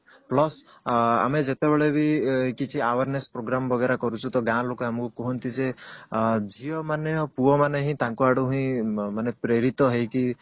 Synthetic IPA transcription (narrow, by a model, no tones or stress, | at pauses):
plɔsa̰med͡ʒet̪ebeɭebʱikit͡ʃʰiawaɾnespɾoɡɾambɔɡeɾakɔɾut͡ʃʰut̪ɔɡãlokɔamɔkukɔɦɔnt̪id͡ʒe | d͡ʒʱiɔmanjɔpuɔmaneɦĩt̪ãŋkuaɽuɦĩmanepɾeɾit̪ɔɦejki